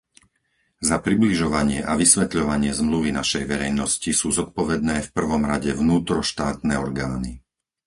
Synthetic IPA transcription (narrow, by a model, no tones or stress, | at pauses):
zapɾibliʒɔʋaɲɪɛʔaʋisʋɛt̪ʎɔʋaɲɪɛzmluʋinaʃɛjʋɛɾɛjnɔscisuːzɔt̪̚pɔʋɛd̪̚nɛːfpr̩ʋɔmɾaɟɛʋnuːt̪ɾɔʃt̪aːt̪nɛːɔɾɡaːni